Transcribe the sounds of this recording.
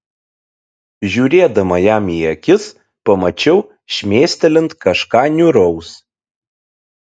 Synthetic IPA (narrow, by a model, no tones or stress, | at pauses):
ʒʲuːɾʲeːd̪ɐmɐjæːmiɛkʲɪs | pɐmɐt͡ʃʲɛʊ | ʃʲmʲeːsʲt̪ʲɛlʲɪnt̪kɐʃkɑːnʲʊɾɐʊs